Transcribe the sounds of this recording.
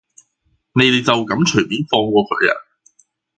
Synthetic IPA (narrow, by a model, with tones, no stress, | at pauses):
ne˨˧jt̪e˨˧t͡sɐ˨wkɐ˨˥mt͡ʃʰɵ˨˩piː˨˥nfɔː˧ŋkʷɔː˧kʰɵ̰˨˧˩jɐ̰˨˩n